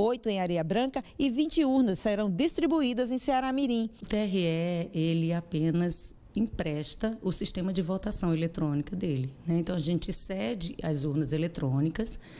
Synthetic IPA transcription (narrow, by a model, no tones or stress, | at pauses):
ojt̪ʊẽj̃aɾeɐbɾɐ̃kɐɪvĩnt͡ʃɪuɾnɐsːeɾɐ̃w̃d̪ist̪ɾibuid̪ɐzẽj̃seaɾamiɾĩʊt̪eɛɦiɛelɪapẽnɐz | ĩpɾɛʃt̪ɐʊsiʃt̪ẽmɐd͡ʒɪvot̪asɐ̃w̃elet̪ɾõnikɐd̪elɪnɛẽnt̪ɐ̃w̃aʒẽnt͡ʃɪsɛd͡ʒɪɐ̰zuɾnɐzelet̪ɾõnikɐs